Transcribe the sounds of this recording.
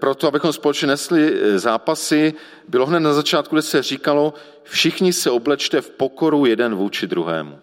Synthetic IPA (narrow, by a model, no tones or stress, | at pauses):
pɾot̪oabɪxomspolɛt͡ʃɲɛnɛslɪzaːpasɪ | bɪlo̞ɦnɛt̪nazat͡ʃaːt̪kuɡdɛsɛriːkalo̞ | fʃɪxɲɪsɛo̞blɛt͡ʃt̪ɛfpo̞ko̞ɾujɛdɛnvuːt͡ʃɪd̪ɾuɦɛ̰ːmṵ